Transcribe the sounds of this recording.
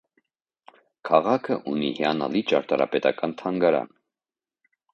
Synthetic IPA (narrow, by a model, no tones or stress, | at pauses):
kʰɑʁɑkʰəʔunihiɑnɑ̰lit͡ʃɑɾt̪ɑɾɑ̰pɛt̪ɑkɑnt̪ʰɑŋɡɑɾɑ̰n